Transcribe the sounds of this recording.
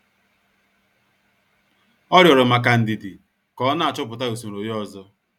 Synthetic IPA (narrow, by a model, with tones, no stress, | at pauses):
ɔ˦ɾjɔ˨ɾʊ˨ma˨ka˨n̩˨di˨dɪ˨ | kɔ˦na˦˨a˨t͡ʃʊ˦pʊ˨ta˦u˨su˨n˨o˨jɔ˦zɔ˦